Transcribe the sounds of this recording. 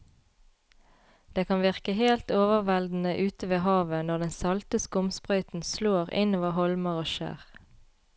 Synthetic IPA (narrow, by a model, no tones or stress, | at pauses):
d̪̥eːkʰɑnʋɪʁkəheːlt̪oːʋəʁʋɛld̪n̩əʔʉːt̪əʋeːɦɑːʋənɔʁd̪ɛnsɑlt̪əskʊmspʁœʏt̪n̩sloːʁɪ̰niʋɑːhɔlməʁoːʃḛːʁ